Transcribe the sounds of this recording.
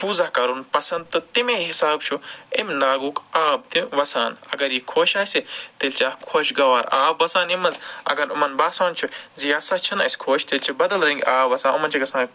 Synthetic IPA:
fʰuːzɐhkɐɾunpɐsɐnd̪̚t̪ɐt̪imẽɦisaːbt͡ʃʰuemnaːɡuːkaːb̚t̪iʋɐsa̰ːnɐ̰ɡɐɾjikʰoːʃaːsit̪elt͡ʃaːkʰoːʃɡɐʋaːɾaːbːɐsaːnimɐzɐ̰ɡɐɾumɐnbaːsaːnt͡ʃʰuzijaːsat͡ʃʰinɐ̰sʲkʰoːʃʰt̪elʲt͡ʃʰibɐd̪ɐlɾɐŋɡʲaːbʋɐsãːnumɐnt͡ʃʰiɡɐsãː

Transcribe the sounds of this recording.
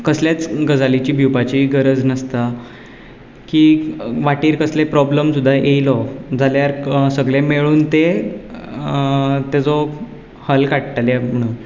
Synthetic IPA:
kəsljat͡sɡəd͡zalit͡ɕiːbʱupat͡ɕiːɡəɾəd͡znəst̪a | kiːʋaʈiːɾkəslepɾɔbləmsud̪ʱːaʔejlɔd͡zʱaljaɾsəɡɭemeɭuːnt̪e | t̪ed͡zɔ | həlkaʈʈaljam̤əɽ̃uːn

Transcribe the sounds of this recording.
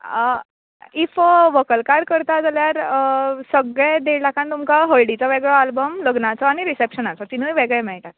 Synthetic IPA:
ə | ifʋəkəlkaɾkəɾt̪ad͡zaljaɾəsəɡɭed̪eɭʈakʰãnt̪umkaɦəlɖit͡sɔʋeɡɭɔalbəmləɡnat͡sɔaɽ̃iɾisepɕənat͡sɔt̪inujʋeɡɭemɛɭʈat̪

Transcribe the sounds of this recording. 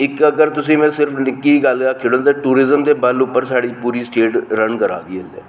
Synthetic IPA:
ɪkəɡəɾt̪ʊsĩːmɛ̃ːsɪɾəpʰnɪkːiːɡəlakʰːeːɽõt̪aːʈuːɾɪzəmd̪eːbəlʊpːəɾsaːɽiːpuːɾiːsʈeːʈɾənkəɾa̰ːd̪iːelɛ̰ː

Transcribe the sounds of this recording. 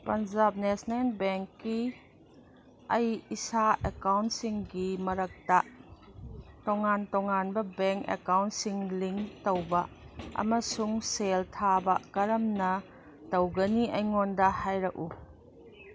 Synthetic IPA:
pɐnd͡ʒap̚nesnanbɛŋkːi | ɐjisaʔekawntsiŋɡimɐɾɐk̚ta | tɔŋantɔŋanbɐbɛŋkḛkawntsiŋliŋtɐwbɐ | ɐ̰mɐsuŋseltʰabɐkɐɾɐmnɐ | tɐwɡɐniɐjŋɔndɐhajɾɐk̚u

